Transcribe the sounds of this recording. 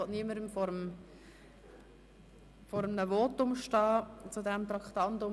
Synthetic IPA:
ɔtniəməɾəmfɔɾəm | fɔɾəmnəvɔːtʊmʃtɑːt͡sudɛmt̪ɾɑkχt̪ɑntʊ

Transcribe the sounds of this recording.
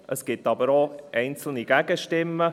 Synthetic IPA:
ʔəsɡ̥ɪtːɑbəɾoʔɛɪnt͡sl̩niɡ̥æɡ̥əʃtɪmːə

